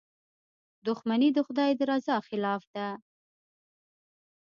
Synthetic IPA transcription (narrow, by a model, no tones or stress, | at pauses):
d̪ʊxmanid̪əxʊd̪ɑjed̪ɾɑzɑxɪlɑfd̪a